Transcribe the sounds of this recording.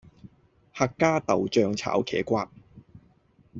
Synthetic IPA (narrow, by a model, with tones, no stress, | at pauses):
haː˧kːaː˥t̪ɐ˨wt͡ʃœː˧ŋt͡sʰa̰ː˨˥wkʰɛ̰ː˨˥kʷaː˧p̚